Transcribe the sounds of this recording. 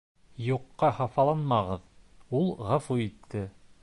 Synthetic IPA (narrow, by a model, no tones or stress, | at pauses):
juqːɑhɑfɑlˠɑnmɑʁɤðulˠʁɑfuit̪ʰːɘ